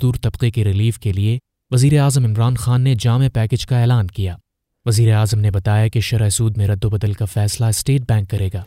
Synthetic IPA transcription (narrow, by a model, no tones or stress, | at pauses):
d̪uːɾt̪ɐbqekeɾɪliːfkelie | ʋɐziːɾeaːzəmɪmɾaːnxaːnːed͡ʒaːmepɛːked͡ʒkaɛːlaːnkijaː | ʋɐziːɾeaːzəmnebɐt̪aːjakeʃɐɾɛsuːd̪mẽɾɐd̪ːobɐd̪əlkafɛːslaɪsʈeːʈ̚bɛ̃ːŋkːɐɾeːɡaː